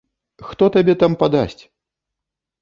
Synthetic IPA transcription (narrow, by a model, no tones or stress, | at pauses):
xt̪ɔt̪abʲɛt̪ampad̪a̰sʲt͡sʲ